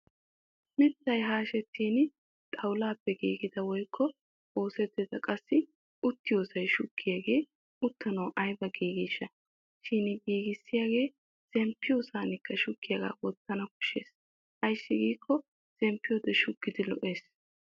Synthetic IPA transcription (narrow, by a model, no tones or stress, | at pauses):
mɪt̪ːɐjɦaːʃɛt̪ʰːiːn | t̪ʼɐwʊlaːpːɛɡḭːɡɪd̪ɐwɔjkʰːɔ | ʔo̞ːsɛt̪ːɪzɐkʼɐsːɪ | ʔʊt̪ːɪjo̞ːsɐjʃʊkːɪjaɡe̞ː | ʊt̪ːɐnɐwʔɐjbɐɡiːɡɪʃːɐ | ʃɪnɡiːɡɪsːɪjaːɡe̞ː | z̥ɛmpːɪjoːsaːnɪkːɐʃʊkːɪjɐɡa̰ːwɔt̪ːɐnɐkʊ̥ʃːḛːs | ʔɐjsːɪɡiːkːɔ | z̥ɛmpːɪjɔd̪ɛʃʊɡːɪd̪ɪlɔ̰ʔe̞ːs